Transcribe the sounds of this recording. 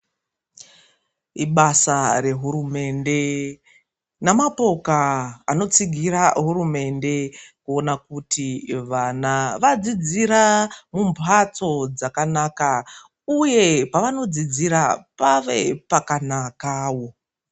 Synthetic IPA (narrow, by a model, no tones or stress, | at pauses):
iɓasare̞ɦuɾume̞nde̞ | namapo̞ka̰ːno̞t͡siɡʱiɾaɦurume̞nde̞kuo̞nakutʰiʋanaʋad͡zid͡ziɾamumpʰat͡so̞d͡zakanaka | uje̞paʋano̞d͡zid͡ziɾapaʋe̞pakanakaːwo̞